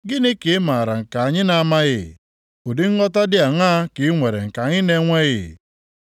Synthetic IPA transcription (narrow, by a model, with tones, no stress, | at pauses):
ɡɪ˦nɪ˦kɪ˨˦ma˨ɾa˨ŋ̩˨ka˨a˨ɲɪ˦na˨˦ma˦ɣɪ̰˦˨ | o˨dɪ˦ŋ̩˦ŋɔ˦ta˦dɪ˦a˨ŋaː˦kɪ˨˦ŋʷe˨ɾe˨ŋ̩˨ka˨ɲɪ˦ne˦ŋʷe˦ɣɪ̰˦˨